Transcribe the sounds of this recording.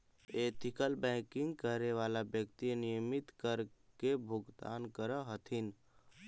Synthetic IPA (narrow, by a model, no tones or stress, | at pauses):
eːt̪ɪkəlbɛ̃ːkɪ̃ŋɡkəɾeʋaːlabjəkt̪inijəmɪt̪kəɾkebʱʊɡd̪a̰ːnkəɾəɦət̪ʰin